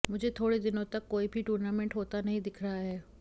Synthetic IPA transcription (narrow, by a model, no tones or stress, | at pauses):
mʊd͡ʒʱet̪ʰoːɽed̪ɪnõt̪ɐkːoːibʱiʈuːɾnaːmɛ̃ɳʈɦoːt̪anɐɦĩd̪ɪkʰɾɐɦaɦɛː